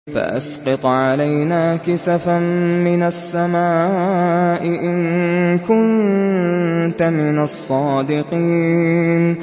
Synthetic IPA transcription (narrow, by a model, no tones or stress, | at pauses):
fa̰ʔa̰sqɑt̪ˤʕalajnaːkɪsafammɪnasːamaː | ʔɪʔɪnkʊn | t̪amɪnasˤːɑːd̪ɪqiːn